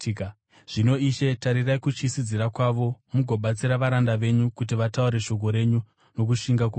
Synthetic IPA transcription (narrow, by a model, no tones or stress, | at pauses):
ʐ̥ino̞iʃe̞taɾirajkut͡ʃisid͡ziɾakwaʋo̞muɡʱo̞ɓat͡siɾaʋaɾandaʋe̞ɲukut̬iʋatauɾe̞ʃo̞k̬o̞ɾe̞ɲu | no̞k̬uʃiŋɡaku